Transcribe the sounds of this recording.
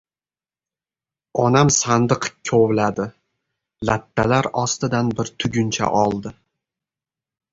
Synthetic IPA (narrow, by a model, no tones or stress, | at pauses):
ɒnamsand̪ɨqkʲʰowlad̪ɪ | lat̪ʰːalaɾɒst̪ɪd̪anbɪɾt̪ʰʊɡʲʊnt͡ʃʰa̰ʔɒlˠd̪ɪ